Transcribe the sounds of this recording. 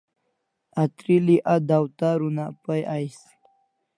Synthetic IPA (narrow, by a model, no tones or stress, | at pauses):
at̪ɾiliʔad̪awt̪aɾunapajais | l